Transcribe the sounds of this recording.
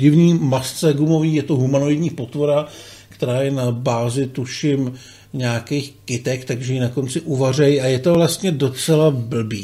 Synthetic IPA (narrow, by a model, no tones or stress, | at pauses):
ɟɪvɲiːmast͡sɛɡumo̞viːjɛt̪oɦumanoɪd̪ɲiːpo̞t̪vo̞ɾa | kt̪ɛɾaːjɛnabaːzɪt̪uʃɪm | ɲaːkejxkɪt̪ɛkt̪aɡʒɛjinako̞nt͡sɪʔuvar̝ɛjajɛt̪o̞vlast̪ɲɛdo̞t͡sɛlabl̩biː